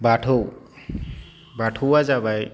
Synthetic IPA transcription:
baʈʰow | baʈʰowad͡ʒabaj

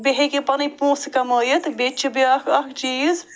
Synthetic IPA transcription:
beɦekepɐnipoːskɐmɐjit̪bet͡ʃʰibeɐkʰɐkʰt͡ʃiːz

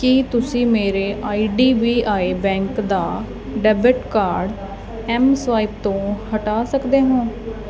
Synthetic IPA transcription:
kit̪ʊsĩːmeːɾeːʔaːiːɖiːʋiːʔaːeːbɛ̃ːŋkd̪aː | ɖɛːbəʈkaːɾɖ | ɛːmsʋaːɪp̚t̪õːhəʈaːsəkd̪eːɦõː

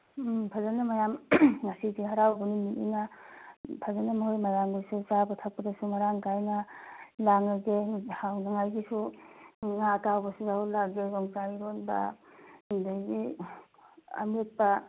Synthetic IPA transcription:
pʰazanamajamŋasiɡiɦaɾawbunimitḭna | pʰazanamaɦojmajaŋɡisusabatʰak̚pɐdɐsumaɾaŋɡajnalaŋaɡehawnaŋajɡisu | ŋatawbɐsuzahulaɡɡezɔŋzaɾɔnba̰ | ndajɡi | ɐ̰met̚pa

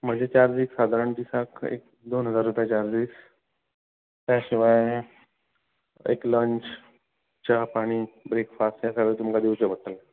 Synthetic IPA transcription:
m̤əd͡ʑet͡ɕaɾd͡ziksad̪ʱaɾəɳt̪isakḛk̚ | d̪onɦəd͡zaɾːupjat͡ɕaɾd͡zis | t̪jaɕiʋaj | ḛkləɲt͡ɕ | t͡ɕapaɽ̃iːbɾekfasʈjat͡ɕaʋeɭit̪umkad̪iwt͡ɕəʋəɽʈəl

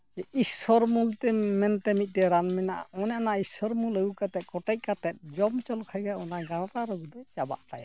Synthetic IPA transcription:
d͡ʒɛʔisɔɾmult̪ɛmɛnt̪ɛmit̪̚ˀtɛɾanmɛnaʔa̰ɔnanaisɔɾmuləukat̪ɛt̪̚kɔʈɛc̚ˀkat̪ɛt̪̚d͡ʒɔmt͡ʃɔlkʰajɡajɔnaɡaɽaɾaɾɔɡud̪ɔt͡ʃaba̰ʔt̪aja

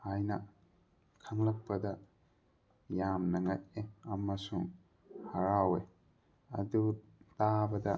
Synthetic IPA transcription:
ajnɐ | kʰaŋlɐk̚pɐdɐ | jamnɐŋat̚eɐmɐsuŋ | hɐɾawe | ɐ̰du | t̪abɐdɐ

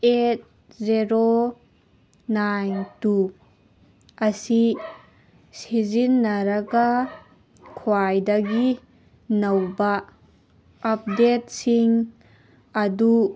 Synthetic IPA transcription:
et̚ | zeɾo | najntu | ɐsi | sizinːɐɾɐɡɐ | kʰwajdɐɡi | nɐwbɐ | ɐp̚det̚siŋ | ɐdu

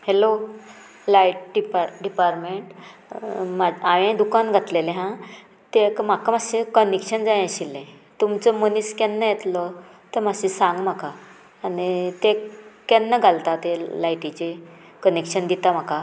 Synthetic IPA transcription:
helo | lajʈɖipaɖipaɾʈmeɳʈ | maaʋãd̪ukanɡʱat̪leleɦã | t̪ekm̤akamaɕekənekɕənd͡zaj̃əɕilːẽ | t̪umt͡səməniskɛnːəjet̪lɔ | t̪əm̤aɕisãŋɡm̤akaː | nit̪ekɛnːəɡʱalt̪at̪elajʈit͡ɕe | kənekɕənd̪it̪am̤aka

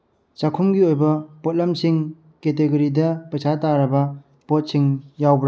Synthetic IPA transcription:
t͡ʃakʰumɡiojbɐpɔt̚lɐmsiŋ | keteɡɐɾidɐpɐsʰataɾɐbɐ | pot̚siŋjawbɾ

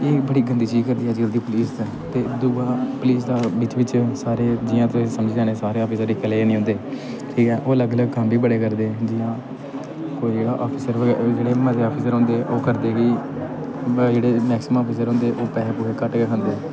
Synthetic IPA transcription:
eːbəɽiːɡənd̪iːt͡ʃiːzkəɾd̪iːɦɛːd͡ʒəld̪iːpʊliːst̪ː | t̪eːd̪uːãːpʊliːs̬d̪aːʋɪt͡ʃʋɪt͡ʃsaːɾeːd͡ʒɪjãːt̪ʊsisəməd͡ʒiːd͡ʒaːñeːsaːɾeːoːpʰiːsəɾɪkəleːeːnĩɦʊ̃nd̪eː | ʈʰiːkɛ̃ːʔoːələɡələɡ̚kəmbiːbəɽeːkəɾd̪eːd͡ʒɪjãː | koːiːaːʔaːpʰiːsəɾʋəɡɛd͡ʒeːɽeːməd͡ʒeːaːpʰiːsəɾɦõːnd̪eʔoːkəɾd̪eːki | d͡ʒeːɽeːmɛːksmaːpʰis̬əɾɦõːnd̪eːʔoːpɛːpuːkʰeːkəʈɡeːkʰənd̪eː

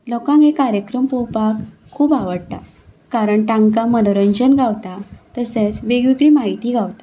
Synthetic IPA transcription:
lɔkãŋɡekaɾjəkɾəmpowpakʰː | uːbaʋəɽt̪a | kaɾəɳʈãŋɡkamənoɾəɲd͡ʑənɡawt̪at̪əset͡sʋeɡʋikɭiːmaɦit̪iːɡʱawt̪ḁ

